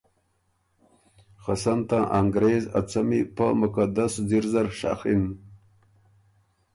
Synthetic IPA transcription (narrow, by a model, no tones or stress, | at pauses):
xasant̪ãːʔaŋɡɾeːza̰t͡samipə̰mukad̪asd̪iɾzaɾʂa̰xin